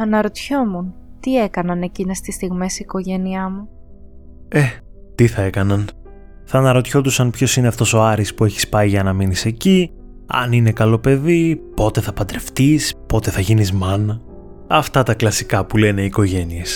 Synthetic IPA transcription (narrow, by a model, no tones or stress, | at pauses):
ɐnɐɾot̪ço̞munt̪ie̞kɐnɐne̞cinest̪ist̪iɣmesiko̞ʝe̞niɐmu | e̞t̪iθɐe̞kɐnɐn | θɐnɐɾo̞t̪ço̞d̪usɐnpço̞sineɐft̪o̞so̞ɐɾispue̞çi̥spɐiʝɐnɐminise̞ci | ɐ̰nine̞kɐlo̞pe̞ðipo̞t̪e̞θɐpɐd̪ɾe̞ft̪ispo̞t̪e̞θɐʝinizmɐnɐ | ɐft̪ɐt̪ɐklɐsikɐpule̞ne̞iːko̞ʝe̞nies